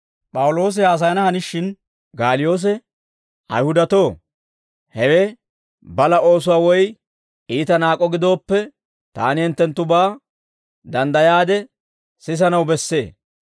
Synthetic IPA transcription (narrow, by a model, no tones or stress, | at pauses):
pʼɐwʊlo̞ːs̬ɪaːs̬ɐjɐnɐhɐnɪʃːɪn | ɡaːlɪjo̞ːs̬ɛ | ʔɐ̰jhʊd̪ɐt̪o̞ː | hɛwɛ | bɐlɐo̞ːs̬ʊwaːwɔj | iːt̪ɐnaːkʼɔɡɪd̪o̞ːpːɛ | t̪a̰ːnɪhɛnt̪ːɛnt̪ːʊbaː | d̪ɐnd̪ɐjaːd̪ɛ | sɪs̬ɐnɐwbɛsːe̞ː